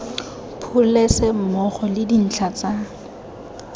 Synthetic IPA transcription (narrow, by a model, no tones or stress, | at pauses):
pʰʊlesɛmɔχɔlɪdin̩t͡ɬʰat͡sa